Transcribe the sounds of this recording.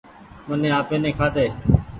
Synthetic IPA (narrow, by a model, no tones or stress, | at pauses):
mənẽːaːpẽːnẽːkʰaːd̪eː